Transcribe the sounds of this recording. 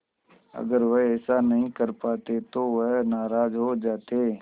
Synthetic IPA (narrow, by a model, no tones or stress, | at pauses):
ɐ̰ɡəɾʋəɦɛːsanɐɦĩkəɾpaːt̪et̪oʋəɦnaːɾaːd͡ʒɦod͡ʒaːt̪e